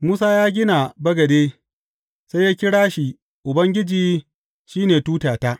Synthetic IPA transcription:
muː˦saː˦jaː˦ɡʲɪ˦na˨bɐ˦ɡɐ˨deː˦ | se˦jaː˦kʲɪ˦ɽaː˦ʃi˨ | ʔʊ˨bɐ˦ŋɡʲɪ˦d͡ʒiː˦ | ʃiː˦neː˨tuː˦taː˨ta˦ʔ

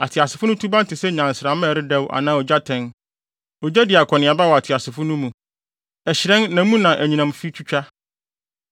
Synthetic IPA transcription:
a˨tʰɪ˨a˨sɪ˨fʊ˦nʊ̃˦tʰu˦bã˦n˦tʰɪ˨sɛ˦ɲã˨n˨sɪɾa˨m˦ɛ̃˨ɾɪ˦dɛ˦wʔa̰˨nãː˦ɔ˨d͡ʑa˦tʰɛ̃˦n | ɔ˨d͡ʑɛ˦dɪ˨a˨kʰɔ˨nɪ̃˨a˨ba˦wɔ˨a˨tʰɪ˨a˨sɪ˨fʊ˦nʊ̃˦mũ˨ | ɛ˨ɕɪ˨ɾɛ̃˦nːã˨˦mũ˦nã˨ʔæ˨ɲĩ˨nã˨mfi˦t͡ɕʰᶣu˦t͡ɕᶣa˦

